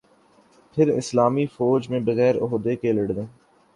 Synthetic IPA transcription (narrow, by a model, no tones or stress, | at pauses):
pʰɪɾɪ̰slaːmifoːd͡ʒmẽbəɣɛːɾʊ̰ɦod̪ekeːləɽd̪ẽː